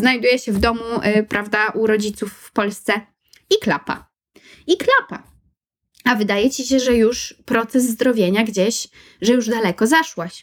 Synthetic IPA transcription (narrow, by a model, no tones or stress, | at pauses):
znajd̪ujɛɕɛvd̪ɔmupɾavd̪aʔuɾɔd͡ʑit̪sufːpɔlst̪sɛ | iklapa̰ | iklapa | avɘd̪ajɛt͡ɕiɕɛʐɛjuʂpɾɔt̪sɛzːd̪ɾɔvʲjeɲaɡd͡ʑeɕ | ʐɛjuʐd̪alɛkɔzaʂwaɕ